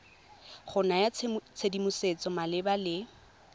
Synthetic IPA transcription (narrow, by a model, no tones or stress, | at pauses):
χʊnajat͡st͡sʰedimʊset͡sʼɔmalɪbalɪ